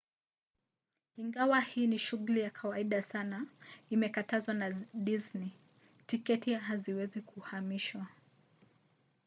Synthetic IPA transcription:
iŋɡawahiːniʃuɣulijakʰawaiɗasanaimɛkatazwanaɗizni | tikɛtiaɦaziwɛzikuhamiʃwa

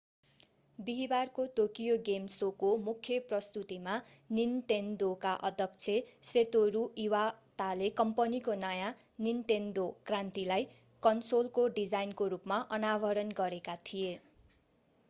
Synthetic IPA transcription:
biɦibarkoʈokijoɡemsokomukʰjʌprʌst̪ut̪imanint̪end̪okaʔʌd̪ʱjʌk̚t͡sʰeset̪oɾuiwat̪alekʌmpʌnikonʌjã | nint̪end̪okrant̪ilaj | kʌnsolkoɖid͡zajnkoɾupmaʔʌnabʱʌɾʌnɡʌɾekat̪ʰije

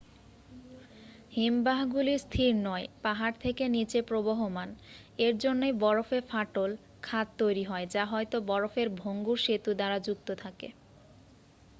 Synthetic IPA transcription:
himbaɦɡuliɾst̪ʰiɾnɔepaɦaɾt̪ʰekenit͡ɕepɾoboɦoman | eɾd͡ʑonːejbɔɾofefaʈol | kʰat̪̚t̪ojɾiɦɔed͡ʑaɦɔjt̪obɔɾofeɾbʱoŋɡuɾʃet̪ud̪aɾad͡ʑuk̚t̪ot̪ʰakḛ

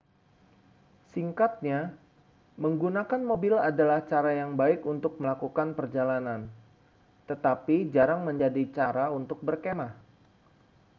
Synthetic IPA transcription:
siŋkat̪̚ɲa | məŋɡunakanmobɪladalaht͡ʃaɾajaŋbaɪkunt̪ʊk̚məlakukanpərd͡ʒalanan | t̪ət̪apid͡ʒaɾaŋməɲd͡ʒadit͡ʃaɾaunt̪ʊk̚bərkemah

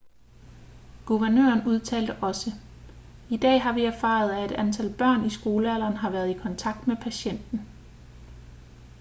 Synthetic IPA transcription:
ɡ̥uʋæɐnø̰ːɐnuð̞ˠt͡sʰɛ̰ːld̥əʔɒ̽sə | id̥ɛ̰ːɦɑ̈ʋiæɐfɑ̰̈ːð̞̩ˠæe̝d̥ænt͡sʰælb̥ɶɐ̰nisɡ̥o̝ːləæl̰ɐːnɦɑ̈ʋæɐð̞ˠikʰɒ̽nt͡sʰɑ̈ɡ̥d̥mepʰæɕen̰d̥n̩

